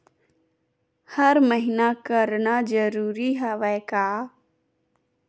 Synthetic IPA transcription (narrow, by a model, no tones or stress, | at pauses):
həɾməɦɪnakəɾnad͡ʒəɾuːɾiɦɛʋɛkaː